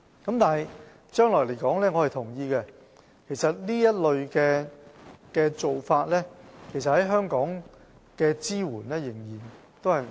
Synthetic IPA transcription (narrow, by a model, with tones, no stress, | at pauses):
kɐ˨˦˥mt̪aː˨˩nɦj | t͡ʃœː˥ŋlɔː˨˩le˨˩jkɔː˨˥ŋlɛː˥ŋɔː˨˧hɐ˨jt̪ʰʊ˨˩ŋjiː˧kɛ˧ | kʰe˨˩jsɐ˨t̚niː˥jɐ˥t̚lɵ˨˧ɥkɛː˧ | kɛː˧t͡so˨wfaː˧t̚lɛː˥kʰe˨˩js̬ɐ˨t̚hɐ˨˦˥jɦœː˥ŋkɔː˨˥ŋ | kɛː˧t͡siː˥wuː˨˩nlɛː˥jɪ˨˩ŋjiː˨˩n | t̪o˥whɐ˨j